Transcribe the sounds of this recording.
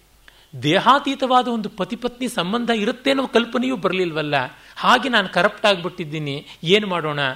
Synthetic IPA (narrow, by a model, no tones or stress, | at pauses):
d̪eːɦaːt̪iːt̪ɐʋaːd̪ɐond̪upɐt̪ipɐt̪nisɐmbɐnd̪ʱɐiɾut̪ːeːnoːkɐlpɐnejuːbɐɾɐlilʋɐlːɐhaːɡenaːnukɐɾɐpʈaːɡbiʈːid̪ːiːnieːnumaːɽoːɳɐ